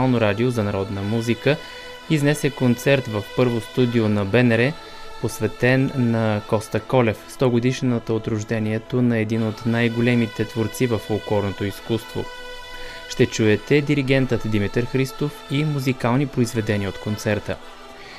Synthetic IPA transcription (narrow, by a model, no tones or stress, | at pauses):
alˠnoɾad̪iozɐnɐɾɔd̪nəmuzikə | iznɛsɛkont̪sɛɾt̪vəfpɤɾvost̪ud̪ionɐbɛnɾɛ | posvɛt̪ɛnːɐkɔst̪əkɔlɛfst̪ɔɡod̪iʃnət̪əot̪ɾʊʒd̪ɛniɛt̪onɐɛd̪inot̪najɡolɛmit̪ɛt̪voɾt̪sivəfolˠkɔɾnot̪oiskust̪vo̰ | ʃt̪ɛt͡ʃuɛt̪ɛd̪iɾiɡ̟ɛnt̪ət̪d̪imit̪ɛɾxɾist̪ofimuzikalˠnipɾoizvɛd̪ɛnʲiəot̪kont̪sɛɾt̪ə̰